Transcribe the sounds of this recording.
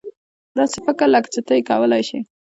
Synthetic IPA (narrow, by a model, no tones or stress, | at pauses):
d̪ɑsɪfɪkəɾlakt͡sət̪əjkɑwəlajʃi